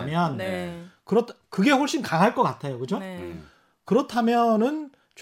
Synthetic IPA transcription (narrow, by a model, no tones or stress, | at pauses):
mjʌnkɯɾʌtʰkɯɡe̞ɸoɭɕ͈inkaŋɦaɭk͈ʌk͈atʰe̞jokɯd͡ʑo | kɯɾʌtʰamjʌnɯn | t͡ɕ